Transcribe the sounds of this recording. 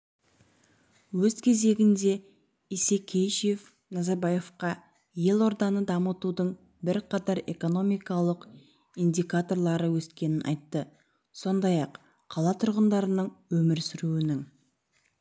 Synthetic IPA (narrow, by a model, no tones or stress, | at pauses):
wɵzkʲʰe̞ze̞ɡʲɪnd̪e̞ | ise̞kʲʰejʃjef | nɑzɑɾbaje̞fqɑ | je̞lˠo̞ɾd̪ɑnəd̪ɑmət̪ud̪əɴ | bɪɾqʰɑt̪ɑɾe̞̰ko̞no̞mijkɑlˠəq | ijnd̪ʲikat̪o̞ɾlˠɑɾəwɵskʲe̞nɪnʔɑ̰jt̪ːə | so̞nd̪ɑjɑqʰː | ɑlˠɑt̪ʰʊɾʁənd̪ɑɾənəɴwɵmɪɾsʏɾuwɪnɪŋ